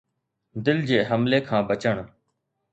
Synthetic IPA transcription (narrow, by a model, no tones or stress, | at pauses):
d̪ɪld͡ʑeːɦəmleːkʰãːbət͡ʃəɳ